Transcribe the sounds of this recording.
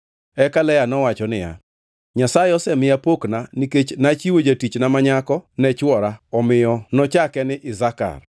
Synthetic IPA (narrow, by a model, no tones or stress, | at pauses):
ɛkalɛjanɔwat͡ʃɔnɪja̰ | ɲasajɪɔsɛmɪjapoknaniket͡ʃnat͡ʃiwod͡ʒatit͡ʃnamaɲakɔnɛt͡ʃwɔɾaɔmɪjɔnɔt͡ʃakɛnɪʔɪzaka̰r